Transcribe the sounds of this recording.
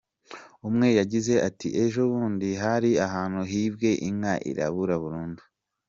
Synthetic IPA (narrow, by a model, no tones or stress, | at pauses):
umŋe̞jaɟize̞ʔatḭʔe̞ʒoβuːndiɦaɾiaɦaːn̥huɦiːbɡe̞ʔimŋaʔḭɾa̰βuɾaβuɾuːndu